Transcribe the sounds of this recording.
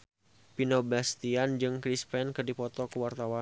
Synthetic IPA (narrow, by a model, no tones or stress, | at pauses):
pinobast̪iand͡ʒɨŋkɾispɛnkɨrdipɔt̪ɔkəwart̪awa